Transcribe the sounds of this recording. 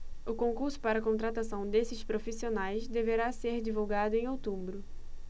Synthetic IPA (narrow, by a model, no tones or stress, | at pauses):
ʊkõŋkuɾsʊ̥paɾɐkõnt̪ɾat̪asɐ̃w̃d̪esɪspɾofisionajzd̪eveɾaseɾd͡ʒivuwɡad̪ʊẽj̃owt̪ũbɾʊ